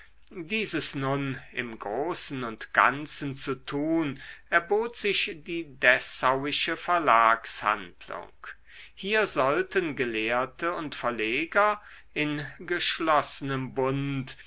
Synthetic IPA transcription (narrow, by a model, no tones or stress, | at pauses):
diːzəsnʊnʔɪ̰mɡʁoːsn̩ʊntɡ̥a̰nt͡sən̩t͡sutʰuːnʔɛɐboːtz̥ɪçd̥iːdɛsawɪʃəfɛɐlaːksha̰ndlʊ̰ŋk | hiːɐzɔltənɡəleːɐtʰəʊntfɛɐleːɡɐ | ʔɪnɡəʃlɔsənəmbʊnt